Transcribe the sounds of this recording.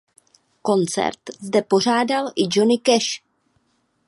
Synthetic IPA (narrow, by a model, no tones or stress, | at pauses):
ko̞nt͡sɛ̰ɾt̪zdɛpo̞r̝aːdalʔɪd͡ʒo̞nɪkɛʃ